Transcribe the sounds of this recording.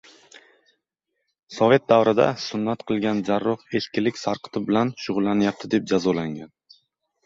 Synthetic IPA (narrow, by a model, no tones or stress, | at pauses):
sɒve̞t̪̚d̪awɾɪd̪a̰sʊnːat̪qʰɨlˠɡʲand͡ʒaɾːɒhe̞ʃkʲɪlɪkʲsaɾqʰɨ̥t̪ʰɪbɪlanʃʊʁʊlˠːanɪjap̚t̪ʰɪd̪e̞p̚d͡ʒazɒlaŋɡʲan